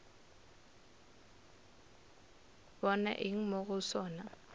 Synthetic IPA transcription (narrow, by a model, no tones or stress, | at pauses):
bɔna̰ʔiŋ̩moɣʊsɔːna